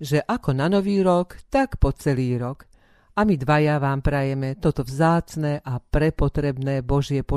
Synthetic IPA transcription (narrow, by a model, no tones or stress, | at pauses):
ʒɛʔakɔnanɔʋiːɾɔkt̪akpɔt͡sɛliːɾɔk | amid̪ʋajaʋaːmpɾajɛmɛt̪ɔt̪ɔvzaːt͡snɛːʔapɾɛpɔt̪ɾɛbnɛːbɔʒɪɛpɔ